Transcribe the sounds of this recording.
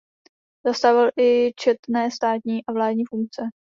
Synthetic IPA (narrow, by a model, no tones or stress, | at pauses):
z̥ast̪avɪlʔɪt͡ʃɛt̪nɛːst̪aːt̪ɲiːʔavlaːdɲiːfuŋk̚t͡sɛ